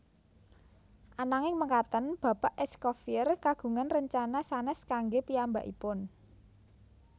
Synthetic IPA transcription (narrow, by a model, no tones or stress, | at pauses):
ʔanaŋɪŋməkat̪ənb̥a̤paʔɛskɔfiərkaɡ̥ṳŋanrəɲt͡ʃanasanɛskaŋɡepiamba̰ʔḭpʊn